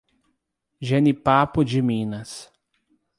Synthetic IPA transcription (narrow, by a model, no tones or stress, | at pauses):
ʒenipapʊd͡ʒɪmĩnɐs